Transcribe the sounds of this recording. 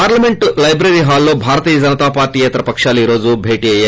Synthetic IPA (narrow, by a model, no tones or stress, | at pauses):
paːɾlɐmeɳʈlɐjbɾeɾiːɦaːlːo̞ːbʱaːɾɐt̪iːjɐd͡ʒɐnɐt̪aːpaːɾʈiːjɛt̪ɐɾɐpɐkʂaːluiːɾo̞ːd͡ʒubʱeːʈiːɐjaː